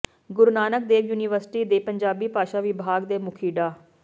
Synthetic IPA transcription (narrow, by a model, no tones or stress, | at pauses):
ɡʊɾnaːnək̚d̪eːkjuːniːʋəɾsʈiːd̪eːpəɲd͡ʒaːbiːpaːʃaːʋɪbʱaːɡd̪eːmʊkʰiːɖaː